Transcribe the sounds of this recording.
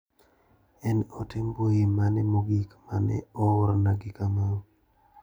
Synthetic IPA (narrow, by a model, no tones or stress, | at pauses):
ɛnotɪmbojimanɪmoɡikmanɪ̰oɾnaɡikama